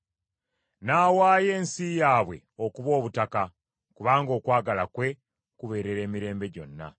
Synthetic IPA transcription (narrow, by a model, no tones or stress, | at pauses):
naːwaːje̞ːnsijaːβwe̞̰ | o̞kuβo̞ːβutaka | kuβaːŋɡo̞ːkwaːɡalakwe̞ | kuβe̞ːɾe̞ɾe̞ːmiɾe̞ːmbe̞ɟo̞̰nːa̰